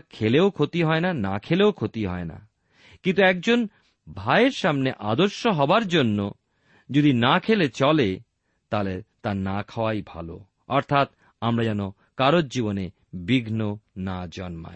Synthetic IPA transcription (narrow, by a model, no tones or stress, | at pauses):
kʰeleokʰot̪iɦɔenanakʰeleokʰot̪iɦɔ̰ena̰ | kint̪uɛk̚d͡ʑon | bʱaeɾʃamneʔad̪oɾʃoɦɔbaɾd͡ʑonːo | d͡ʑod̪inakʰelet͡ɕɔle | t̪alet̪anakʰaoajbʱa̰lo̰ | ɔɾt̪ʰat̪ | amɾad͡ʑano | kaɾot̚d͡ʑibone | biɡʱnonad͡ʑɔnma̰e